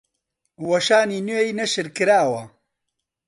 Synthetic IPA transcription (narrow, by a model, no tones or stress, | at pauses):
wɐʃaːniːnweinɐʃɨɾkɨɾaːwɐ